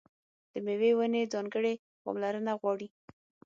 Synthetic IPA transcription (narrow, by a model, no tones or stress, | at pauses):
d̪̥əmewewəned͡zɑŋɡəɽe | pɑ̰mlaɾənaɣwɑɽi